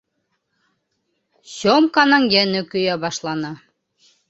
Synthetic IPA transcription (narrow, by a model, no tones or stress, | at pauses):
ɕomkɑnɤŋjænɘkɵ̆jæbɑʃlˠɑnɑ